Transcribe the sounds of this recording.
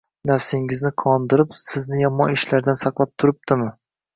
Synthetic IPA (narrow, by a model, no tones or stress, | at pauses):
nafsɪŋɪznɪqʰɒnd̪ɪɾɪpsɪznɪjɒmɒɪʃlaɾd̪ansɑqlˠap̚t̪ʰʊɾɪp̚d̪ɪmɪ